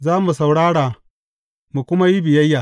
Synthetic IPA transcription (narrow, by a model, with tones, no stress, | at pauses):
zaː˦mu˨sa˨wɽaː˦ɽaː˨ | mu˨kʷʊ˦ma˦ji˦bɪ˨jɐ˦jːaː˨